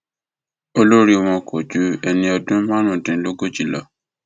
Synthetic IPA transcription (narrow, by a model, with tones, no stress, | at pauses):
o˧lo˦ɾi˧w̃ɔ̃˧kʰɔ˨d͡ʒu˨˦ɛ˧nĩ˧ɔ˧dũ˦mã˦nũ˦˨dɛ̃˨˦lo˦ɡo˦˨d͡ʒi˨lɔ˨